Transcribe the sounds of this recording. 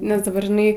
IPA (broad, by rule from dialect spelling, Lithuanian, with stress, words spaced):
nʲɛs dɐˈbɐr ʒʲɪˈnɐɪ